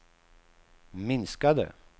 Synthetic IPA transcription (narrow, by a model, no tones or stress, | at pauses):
mɪnskad̪ə̰